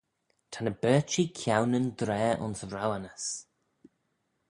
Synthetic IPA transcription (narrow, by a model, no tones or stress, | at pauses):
tʰanəbɛːt͡ʃikʰjawnənd̪ɾɛːʔʊ̰nsvɾawanəs